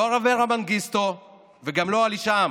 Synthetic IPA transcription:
oʁaveʁamanɡist̪o | veɡamlo̞aliʃam

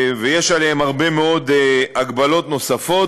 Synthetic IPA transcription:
vejeʃalehemaʁbe̞meo̞d̪aɡbalo̞t̪no̞safo̞

